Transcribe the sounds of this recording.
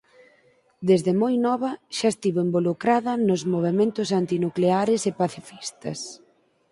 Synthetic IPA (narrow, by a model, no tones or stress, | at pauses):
d̪ezðemojnɔβɐʃaest̪iβoembolukɾaðɐnʊzmoβ̞emẽnt̪ʊsant̪inukleaɾɪsepaθifist̪ɐ̰s